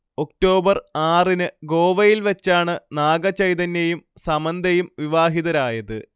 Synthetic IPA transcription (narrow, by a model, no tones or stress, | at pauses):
o̞kʈo̞ːbɐraːrinɨɡo̞ːʋɐjilʋɐt͡ɕːaːɳɨnaːɡɐt͡ɕɐjt̪ɐnːejumsɐmɐnd̪ʱɐjumʋiʋaːɦiðɐɾaːjɐðɨ